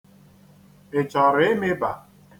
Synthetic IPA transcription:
ɪ˨t͡ʃɔ˨ɾe˦me˦ba˨

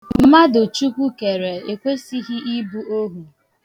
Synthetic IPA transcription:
m̩˦ma˦do˨t͡ʃu˦kʷu˦ke˨ɾe˨e˨kʷe˦si˦ɦi˦i˦bu˦o˦ɦu˨

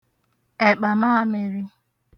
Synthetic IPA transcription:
e˨k͡pa˨ma˦a˦me˨ɾɪ˦

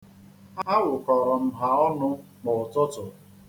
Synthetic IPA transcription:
a˦wʊ˨kɔ˨ɾɔ˨m̩˦ɦa˨ɔ˦nʊ˦ | mʊ˨ʊ˨tʊ˦tʊ˨

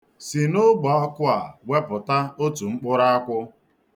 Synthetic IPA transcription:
si˨nʊ˦ɡ͡bɔ˨ɔ˦kʊ˦a˨we˦pʊ˨ta˦o˦tu˨ŋ͡m̩˦k͡pʊ˦ɾa˦kʷʊ˦

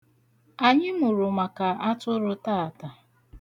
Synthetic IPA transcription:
a˨ɲɪ˦mu˨ɾʊ˨ma˨ka˨a˦tʊ˦ɾʊ˦ta˦a˨ta˨

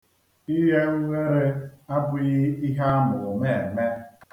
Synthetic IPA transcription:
i˦ɦe˦ŋ̩˦ŋe˦ɾe˦a˦bʊ˦ɣɪ˦i˦ɦa˦a˦nʊ˨me˦˨me˦

